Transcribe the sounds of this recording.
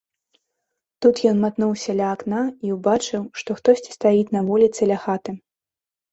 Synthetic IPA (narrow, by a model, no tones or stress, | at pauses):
t̪ut̪jɔnmat̪nuwsʲɐlʲɐːknaiwbat͡ʂɨwʂt̪ɔxt̪ɔsʲt͡sʲi̥st̪ajit̪ʲnɐvɔlʲit̪sɨlʲaxat̪ɨ